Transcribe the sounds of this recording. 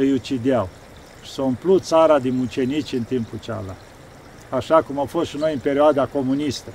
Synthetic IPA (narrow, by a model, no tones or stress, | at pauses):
əjut͡ʃid̪eaw | ʃi̥saɨmplut̪t̪saɾad̪inut͡ʃe̞nit͡ʃʲɨnt̪imput͡ʃa̰la̰ | aʃakumawfosʃino̞jɨmpe̞ɾioad̪ako̞munist̪ə